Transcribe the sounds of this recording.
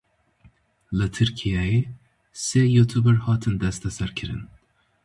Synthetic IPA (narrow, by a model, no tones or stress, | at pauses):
lɨt̪ʰɨɾkʰijɛji | sejut̪ʰubɛɾhɑːt̪ʰɨnd̪ɛst̪ʰɛsæɾkʲʰɨɾɨ̰n